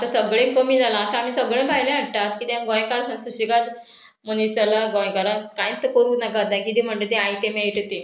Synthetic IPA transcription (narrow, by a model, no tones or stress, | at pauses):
at̪asəɡɭẽkəmiːd͡zalãːt̪aamiːsəɡɭẽbʱajlẽaɽt̪at̪kit̪ãɡɔ̃jkaɾsãnsuɕiɡat̪ | mənisalaɡɔ̃j̃kaɾãkãj̃t̪ːəkəɾuːnakat̪najkit̪em̤əɳd͡ʑet̪eajt̪ẽmeiʈt̪e